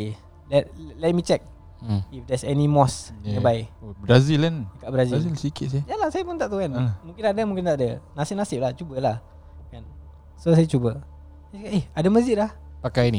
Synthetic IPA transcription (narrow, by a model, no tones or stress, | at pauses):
lɛt̚lɛt̚mit͡ʃɛk̚ | ifdɛsɛnimɔsnəbajbɾazilɛndəkaʔbəɾazizilsikɪt̪̚sajalahsajapʊnt̪aʔt̪uanmũŋkɪnadəmuŋkɪnt̪aʔdənasɪp̚nasɪp̚laht͡ʃubəlah | kan | sosajat͡ʃubə | sajkaeadəməsd͡ʒɪʔ̪̚lahpakajni